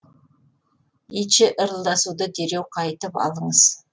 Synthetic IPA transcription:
it͡ʃɪʔəɾəlˠd̪ɑsud̪əd̪eɾewqʰɑjt̪əpɑ̰lˠəɴəz̥

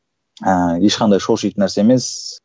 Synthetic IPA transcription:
əjeʃqʰɑnd̪ɑjʃoʃijt̪næɾseemes

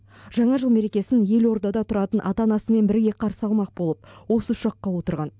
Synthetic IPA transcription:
ʒ̥ɑɴɑʒəlˠme̞ɾe̞kʲe̞sɪnje̞lo̞ɾd̪ɑd̪ɑt̪ʰʊɾɑt̪ənʔɑ̰t̪ɑnɑsəme̞nbɪɾɡʲe̞qʰɑɾsəɑlˠmɑq̚bo̞lˠəp̚wo̞səʊ̥ʃɑqːɑwo̞t̪əɾʁɑn

